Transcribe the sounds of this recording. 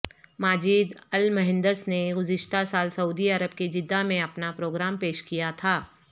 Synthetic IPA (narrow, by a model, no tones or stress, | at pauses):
maːd͡ʒiːd̪ɐlmɐɦɪ̃nd̪əsneɡʊzɪʃt̪asaːlsɐuːd̪iɐɾəb̚ked͡ʒɪd̪ːamẽɐpnapɾoːɡɾaːmpeːʃkijat̪ʰaː